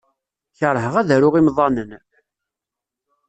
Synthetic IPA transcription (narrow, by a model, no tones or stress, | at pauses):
çəɾˤɦəʁæðæɾʊʁimðˤɑnən